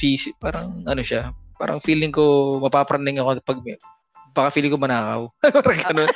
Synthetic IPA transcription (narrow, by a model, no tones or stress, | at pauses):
fiːsɪpaːɾɐŋʔɐno̞ʃapa̰ːɾɐ̰ŋfiːlɪŋkomɐpapɾʔɐnd̪ɪŋɐkopɐɡ̚m | bɐkɐfiːlɪŋkomɐnaːkɐ̰wɡɐno